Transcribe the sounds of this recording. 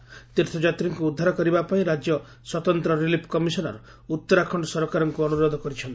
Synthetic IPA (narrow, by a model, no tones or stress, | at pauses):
t̪iɾt̪ʰɔd͡ʒat̪ɾiŋkuːd̪ʱːaɾɔkɔɾibapaĩɾad͡ʒjɔ | swɔt̪ɔnt̪ɾɔɾilipʰkɔmisɔnɔ̰ɾɔ | ut̪ːɔɾakʰɔɳɖɔsɔɾɔkaɾɔŋkuɔnuɾɔd̪ʱɔkɔɾit͡ʃʰɔnt̪i̥